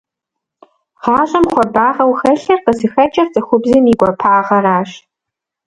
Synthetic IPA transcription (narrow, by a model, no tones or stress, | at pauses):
ʁaːɕʼɐmχʷɔbaːʁɐwxɐɬɐrqəzɨxɐt͡ʃʼɐrt͡sʼɨxʷʊbzɨniːɡʷɔpʰaːʁɐɾaːɕ